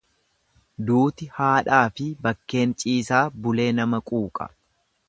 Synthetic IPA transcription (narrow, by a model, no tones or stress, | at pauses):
d̪uːt̪ɪhaːᶑaːfɪbɐkːe̞ːnt͡ʃʼiːsaːbʊle̞ːnɐmɐkʼuːkʼɐ̥̰